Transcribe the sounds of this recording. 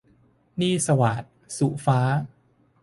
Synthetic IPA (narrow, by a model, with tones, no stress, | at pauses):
niː˥˩sa˧waː˨˩t̪̚su˨˩faː˦˥